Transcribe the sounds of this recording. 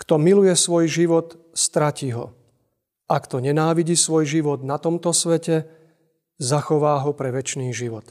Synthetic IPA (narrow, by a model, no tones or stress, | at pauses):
kt̪ɔmilujɛsʋɔjʒiʋɔt̪ | st̪ɾaciɦɔ̰ | ʔakt̪ɔɲɛnaːʋiɟisʋɔjʒiʋɔd̪nat̪ɔmt̪ɔsʋɛcɛ | zaxɔʋaːɦɔpɾɛʋɛt͡ʃniːʒiʋɔt̪